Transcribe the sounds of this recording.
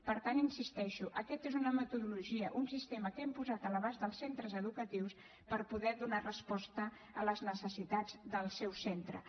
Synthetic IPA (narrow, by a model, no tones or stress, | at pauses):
pəɾt̪aninsist̪ɛʃuʔəkɛt̪ezunəmət̪uðuluʒiəʔunsist̪eməkempuzat̪ələβazðəlˠsent̪ɾəzəðukət̪iws | pəɾpuðɛðunarəspɔst̪ə | ələznəsəsit̪ad͡zd̪əlˠsɛwsent̪ɾə̰